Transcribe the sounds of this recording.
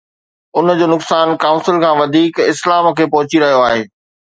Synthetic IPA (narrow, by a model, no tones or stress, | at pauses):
ʊnd͡ʑoːnʊksaːnkaʊ̃nsɪlkʰãːʋɐd̪ʱiːkɪslaːmkʰeːpɐɦʊt͡ɕiɾɐɦijoaːɦeː